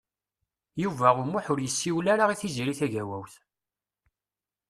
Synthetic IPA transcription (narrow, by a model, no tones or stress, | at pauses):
juvæʁʊmʊħʊɾjəsːiwlaɾaʁiθiziɾiθæʝæwæwθ